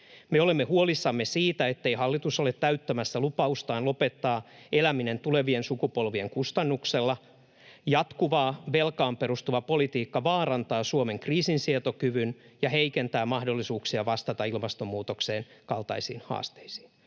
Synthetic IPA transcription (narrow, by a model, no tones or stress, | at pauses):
meolemːehuolisːɑmːesiːt̪æet̪ːeihɑlːit̪usolet̪tːæyt̪ːæmæsːælupɑust̪ɑːnlo̞pet̪ːɑːʔelæminent̪ule̞ʋiensukupo̞lʋieŋkust̪ɑnːukselːɑ | jɑt̪kuʋɑːʋelkɑːmperust̪uʋɑpo̞lit̪iːkːɑʋɑːrɑnt̪ɑːsuome̞ŋkriːsinsiet̪okyʋynjɑheikent̪æːmɑhdolːisuːksiɑʋɑst̪ɑt̪ɑilmɑst̪omːuːt̪okseːnkɑlt̪ɑ̰isḭːnhɑ̰ːst̪e̥isi̥ːn